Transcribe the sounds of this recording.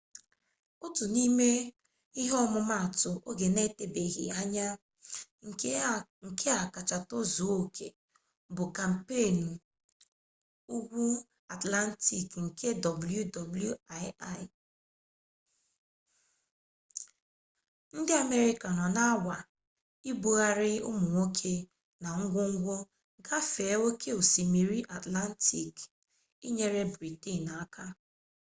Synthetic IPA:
ʊ˦tʊ˨ni˦me˦ | i˦ɦɔ˦mʊ˦ma˦a˨tʊ˨ʔo˦ɡe˨ne˦te˨be˨ɣḭ˨a˦ɲa˦ | ŋ̩˨ŋ̩˨kʰe˦a˨ka˨t͡ʃa˨to˦zu˨˦o˦kʰe˨ | bʊ˨ka˨m̩˨pe˦˨n̩˨ | u˦ɡʷu˦ | a˨tla˦n̩˦ti˦˨kŋ̩˨ke˦dɔ˨bu˨˦ju˦dɔ˨bu˦ju˦a˦ɪ˦a˦ɪ˨ | n̩˦dɪ˦a˨me˦ɾi˦ka˨nɔ˨na˦a˦wa˨ | i˦bu˦ɣa˦ɾɪ˦ʊ̰˦mʊ˨ŋʷo˦kʰe˦ | na˨ŋ̩˦ɡʷʊ˦ŋ̩˦ɡʷo˦ | ɡa˦fe˨e˦o˦kʰe˦o˨si˨mi˨ɾi˦ʔa˨tla˦n̩˦ti˨k | i˦ɲe˦ɾe˦bɾi˨ti˦˨na˨˦kʰa˦

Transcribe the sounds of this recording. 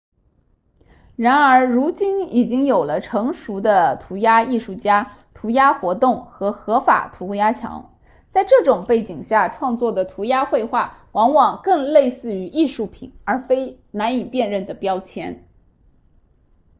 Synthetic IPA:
ɻa˧˥nə˞˧˥ɻu˧˥t͡ɕi˥ni˨˩t͡ɕi˥ŋjo˨˩ʊlə˦ʈ͡ʂʰɤ˧˥ŋʂu˧˥d̪ə˧t̪ʰu˧˥ja˥i˥˧ʂu˥˩t͡ɕja˥ | t̪ʰu˧˥ja˥xwɔ˧˥t̪ʊ˥˩ŋxɤ˧˥xɤ˧˥fa̰˨˩t̪ʰu˧˥˧ja˥t͡ɕʰjɑ̰˧˥ŋ | t͡sa˥˧ɪʈ͡ʂɤ˥˩ʈ͡ʂʊ˨˩ŋpe˥˩ɪt͡ɕi˨˩ŋɕja˥˩ʈ͡ʂʰwɑ˥˧ŋt͡swɔ˥˩d̪ə˩t̪ʰu˧˥ja˥xwe˥˧ɪxwa˥˩wɑ˧˥ŋwɑ˨˩ŋkɤ˥˧ŋle˥˧ɪsɹ̩˥˩y˧˥ʔi˥˧ʂu˥˩pʰḭ˨˩˦nə˞˧˥fe˥ɪ | na˧˥ni˨˩pjɛ˥˧nɻə˥˩nd̪ə˩pjɑ˥ʊt͡ɕʰjɛ̰˧˥n

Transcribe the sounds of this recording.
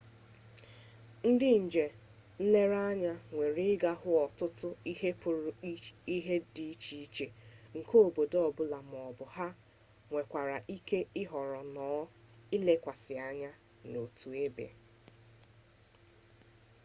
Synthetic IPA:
n̩˦dɪ˦n̩˨d͡ʒe˨ | n̩˦le˦ɾa˦ɲa˦ŋʷe˨ɾi˦ɪ˦ɡa˦ɦʊ˦ɔ˨tʊ˦tʊ˦i˦ɦe˦pʊ˨ɾʊ˨˦i˦ɦe˦di˦t͡ʃi˦t͡ʃe˨ŋ̩˨ko˦o˨bo˨dɔ˦˨bʊ˦la˨m˨ɔ˨bʊ˨ɦa˦ | ŋʷe˨kʷa˨ɾa˨ʔi˦ke˦ɪ˦ɦɔ˨ɾɔ˨nɔː˨˦ | ɪ˦le˦kʷa˨sɪ˨a˦ɲa˦ | no˨tu˨e˦bḛ˨

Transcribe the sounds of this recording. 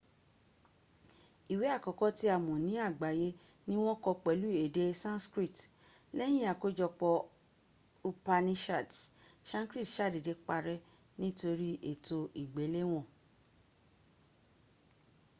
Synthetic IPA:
i˨we˨˦a˦˨kɔ˨˧kɔ˦ti˦a˦˨mɔ̃˨nĩ˨˦a˦˨ɡ͡ba˨je˦ | nĩ˦w̃ɔ̃˦kɔ˧k͡pɛ˨˦lu˨˦e˨de˦sã˦nskɾi˦˨t | lɛ˦j̃ĩ˦a˨ko˦d͡ʒɔ˧k͡pɔ˧ | u˧pa˧nĩ˧ʃa˦˨dʃã˦kɾi˦˨tʃa˦˨de˨de˧k͡pa˧ɾɛ˦ | nĩ˦to˧ɾi˦ʔe˨to˧i˨ɡ͡be˨˦le˦w̃ɔ̃˦˨

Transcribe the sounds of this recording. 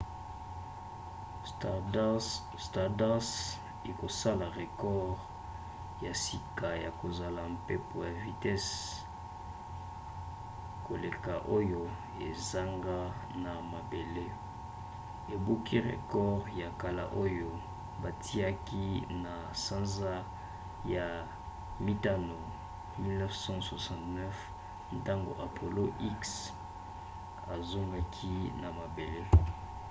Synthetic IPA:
sta˨da˦s | i˨ko˨sa˦la˨ʁe˨kɔ˦ʁ | ja˨si˨ka˨ja˨ko˨za˨la˨mpe˦po˨ja˨vi˨tɛ˦s | ko˨le˨ka˨ʔo˦jo˦ | e˨za˦ŋɡa˦na˨ma˨be˨le˦ | e˨bu˦ki˦ʁḛ˨kɔ˦ʁja˨ka˨la̰˨ʔo˦jo˦ | ba˨tʰi˦a˦ki˦na˨sã˦nza˦ | ja˨ | mi˦ta˦no˨ | mi˦lnɛ˦fsɑ̃˦swa˨sɑ̃˨tnɛ˦f | n˨ta˦ŋɡo̰˨ʔa˨pʰo˨lo˦ʔi˦ks | a˨zo˦ŋɡa˦kʰi˦na˨ma˨be˨le˦

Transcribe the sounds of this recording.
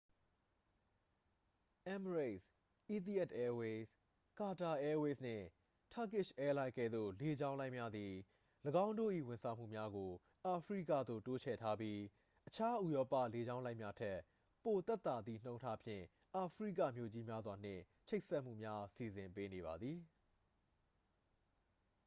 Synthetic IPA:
ʔɛ̃˦məɹe˦˨s | ʔi˦t̪i˦˨ɛ˦tʔɛ˦we˦s | ka˨ta˨ʔɛ˦we˦sn̥ɪ̰̃˦˨ | tʰa˦kɪ˦˨ʃʔɛ˦lã˦ɪ̃kɛ̰˦˨d̪o̰˦˨le˨d͡ʑã˦ʊ̃lã˦ɪ̃˨mja˦d̪i˨ | ləɡã˦ʊ̃ndo̰˦˨ʔḭ˦˨wɪ̃˨nsʰã˨m̥ṵ˦˨mja˦ɡo˨ | ʔa˨pʰɹḭ˦˨kä̰˦˨d̪o̰˦˨to˦t͡ɕʰɛ̰˦˨tʰa˦p̬ji˦ | ʔət͡ɕʰa˦ʔu˨jɔ˦pä̰˦˨le˨d͡ʑã˦ʊ̃lã˦ɪ̃˨mja˦tʰɛ˦ | po˨t̪ɛ˦˨t̪ːa˨d̪ðḭ˦˨n̥õ˦ʊ̃ntʰa˦pʰjɪ̰̃˦˨ | ʔa˨pʰɹḭ˦˨ka̰˦˨mjo˨d͡ʑi˦mja˦zwa˨n̥ɪ̰̃˦˨ | t͡ɕʰe˦ʔsɛ˦ʔm̥ṵ˦˨mja˦si˨zɪ̃˨mpe˦ne˨βa˨d̪ði˨

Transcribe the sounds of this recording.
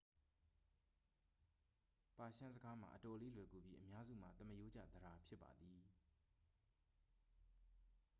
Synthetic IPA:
pa˨ʃã˦nzəɡa˦m̥ã̰˨ʔətɔ˨le˦lwɛ˨ɡu˨bji˦ʔəmja˦zṵ˦˨m̥a̰˨t̪ə˦məjo˦d͡ʑa̰˦˨d̪əɾa˨pʰjɪ˦pːa̰˨d̪ði˨

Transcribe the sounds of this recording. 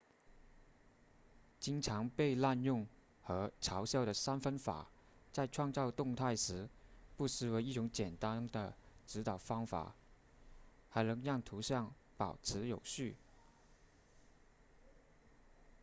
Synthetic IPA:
t͡ɕi˥ŋʈ͡ʂʰɑ˧˥ŋpe˥˧ɪla˥˧njʊ˥˩ŋ | xɤ˧˥ʈ͡ʂʰɑ˧˥ʊɕjɑ˥˩ʊɾə˩sa˥nfə˥nfa̰˨˩ | t͡sa˥˧ɪʈ͡ʂʰwɑ˥˧ŋt͡sɑ˥˧ʊt̪ʊ˥˧ŋt̪ʰa˥˩ɪʂɻ̩˧˥pu˥˩sɻ̩˧˩we˧˥ɪi˥˩ʈ͡ʂʊ˧˥ŋt͡ɕjɛ˨˩nt̪a˥nd̪ə˨ʈ͡ʂɻ̩˧˥t̪ɑ˨˩ʊfɑ˥ŋfa̰˨˩˦ | xa˧˥ɪnɤ˧˥ŋjɑ˥˩ŋt̪ʰu˧˥ɕjɑ˥˩ŋ | pɑ˨˩ʊʈ͡ʂʰɻ̩˧˥jo˨˩ʊɕy˥˩

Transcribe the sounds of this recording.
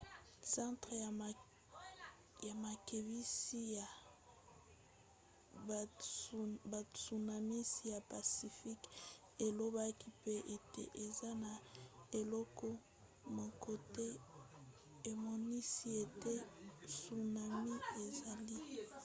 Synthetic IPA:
sã˦tʁe˨a˨ | ja˨ma˨ke˨bi˦si˦ja˨ | ba˨su˨na˨mi˦si˦ja˨pa˨si˨fi˦k | e˨lo˦ba˦ki˦pe˦ʔe˨tḛ˦ʔe˨za˦na˨e˨lɔ˦kɔ˦ | mo˨ko˨te˦ | e˨mɔ˦ni˦si˦e˨te˦su˨na˨mi˦e˨za˨li˦

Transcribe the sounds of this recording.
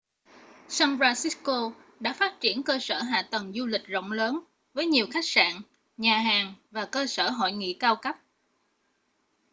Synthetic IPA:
saː˧ŋfaː˧si˦˥ko˧ | ɗa̰ː˧˥faː˦˥t̚t͡ɕi˧˩ənkəː˧səː˧˩ɦa̰ː˧˨t̪ə˨˩nzu˧lï˨˩k̟̚zo̰˧˨wŋ͡mləː˨˦n | vəː˨˦jɲi˨˩əwxa˦˥jk̚sa̰ː˧˨ŋ | ɲaː˨˩ɦaː˨˩ŋvaː˨˩kəː˧səː˧˩ɦo̰˧˨jŋḭ˧˨kaː˧wkə˦˥p̚

